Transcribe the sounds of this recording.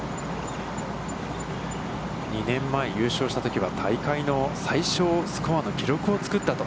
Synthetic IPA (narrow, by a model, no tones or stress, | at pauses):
ɲʲinẽ̞mːaejɯ̟ːɕo̞ːɕi̥t̪at̪o̞kʲiβ̞at̪ʰaikaino̞saiɕo̞ːsɨ̥koβano̞kʲiɾo̞kɯ̟ot͡sɨ̥kɯt̪ːat̪o̞